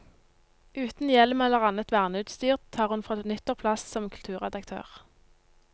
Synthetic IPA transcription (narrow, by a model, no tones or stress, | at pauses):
ʉːt̪n̩jɛlmɛlːəʁɑnət̪ʋæːʁnəʉːt̪st̪yːʁt̪t̪ʰːɑːʁhʉnfʁɑnʏt̪əʁpʰlɑssɔmkʰʉlt̪ʰʉːʁɛd̪ɑkt̪ʰø̰ːʁ